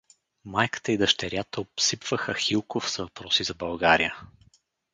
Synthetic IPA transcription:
majkə̥t̪əid̪ɐʃt̪ɛɾjat̪əopsipv̥əxəxilˠkofsvɐpɾɔsizɐbɐlˠɡaɾijə

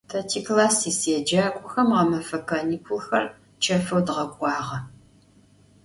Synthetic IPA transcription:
tʰɐtʰiːklaːsiːseːd͡ʒaːkʷʼʊxɐmʁɐmɐfɐkʰɐnikʷʰʊlxɐ̰r | t͡ʃʰɐfɐwdʁɐɡʷʼɑːʁɐ

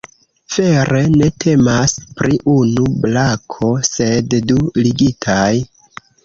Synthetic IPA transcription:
fe̞ɾe̞ne̞tʰe̞maspɾiʔunublakʰo̞se̞dduliɡitʰaj

